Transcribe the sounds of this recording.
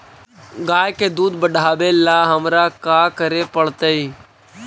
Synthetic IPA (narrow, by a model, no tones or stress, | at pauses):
ɡaːjkeːd̪uːd̪bəɖʱaːʋelaːɦəmɾaːkaːkəɾeːpəɽt̪əiː